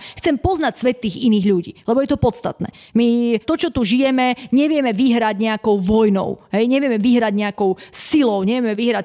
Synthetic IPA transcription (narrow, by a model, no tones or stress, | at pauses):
xt͡sɛmpɔznacsʋɛt̪ːiːɣiniːɣʎuɟḭːlɛbɔjɛt̪ɔpɔt̪st̪a̰t̪nɛ̰ːmit̪ɔt͡ʃɔt̪uʒijɛmɛɲɛʋɪɛmɛʋiɦɾaɟɲɛakɔʊʋɔjnɔ̰ʊɦɛjɲɛʋɪɛmɛʋiɦɾaɟɲɛakɔʊsilɔʊɲɛʋɪɛmɛʋiɦɾac